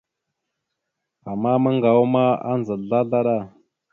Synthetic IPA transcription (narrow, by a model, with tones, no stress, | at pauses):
a˨mːa˦mə˦ŋɡa˨wu˦ma˦a̰˦n˨zə˨ɮa˦ɮa˦ɗa˦˨